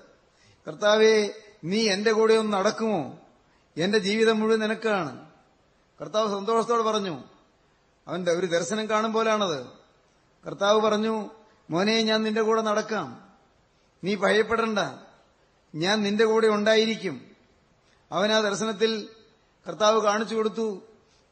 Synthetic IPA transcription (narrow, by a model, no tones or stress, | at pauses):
kɐrt̪aːʋe̞ | niːe̞nde̞kuːɽejonnɐɽɐkːumo̞ː | e̞nde̞d͡ʑiːʋiðɐmːuɻuʋuninɐkːaːɳɨ̰ | kɐrt̪ːaːʋɨsɐnd̪o̞ːʂɐt̪ːoːɽɨpɐrɐɲːu | ɐʋɐndeo̞ɾud̪eɾɕɐnɐmkaːɳumpo̞ːlejaːɳɐðɨ | kɐrt̪ːaːʋɨpɐrɐɲːu | moːnejeɲaːnninde̞kuːɽɐnɐɽɐkːaːm | niːbʱɐɐjɐpːe̞ɽuɳɖɐ | ɲaːnninde̞kuːɽeuɳɖaːjiɾikʲːum | ɐʋɐnaːd̪eɾɕɐnɐt̪̬ːil | kɐrt̪ːaːʋɨkaːɳit͡ɕːuko̞ɽut̪ːu